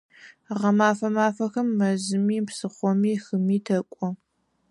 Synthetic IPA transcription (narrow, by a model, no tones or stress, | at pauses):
ʁɐmaːfɐmaːfɐxɨmːɐzɨmiːmpsɨχʷɔmiːxɨmiːtʰɐkʷʼɔ